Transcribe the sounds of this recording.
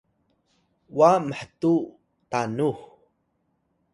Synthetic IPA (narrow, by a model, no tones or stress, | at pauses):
waməħtu | tanux